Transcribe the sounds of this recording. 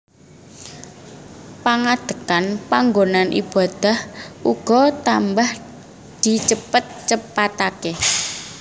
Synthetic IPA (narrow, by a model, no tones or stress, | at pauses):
paŋad̪̥ə̤kanpaŋɡonanʔḭb̥a̤d̪̥a̤hʔuɡ̥ɔ̤t̪ambah | d̪̥i̤t͡ʃəpət̪̚t͡ʃəpat̪ake